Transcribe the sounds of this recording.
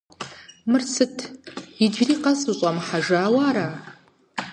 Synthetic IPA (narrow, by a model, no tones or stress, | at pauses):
mɨrt͡sʰɨtʰid͡ʒriqʼasɨɕʷʼamħaʐaːwaɾa